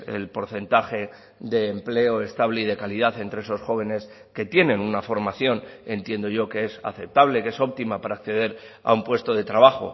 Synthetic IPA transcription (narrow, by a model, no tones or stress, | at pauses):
ḛlpo̞ɾθe̞nt̪axe̞ | ðe̞ːmple̞o̞e̞st̪aβle̞iðe̞kaliðaθe̞nt̪ɾe̞eso̞sxo̞β̞e̞ne̞s | ke̞t̪je̞nẽ̞nunafo̞ɾmaθjo̞ne̞nt̪je̞nd̪o̞ʝo̞kee̞sa̰θe̞p̚t̪aβle̞ke̞so̞p̚t̪imapaɾaːkθe̞ð̞e̞ɾ | a̰umpwe̞st̪o̞ð̞e̞t̪ɾaβ̞axo̞̰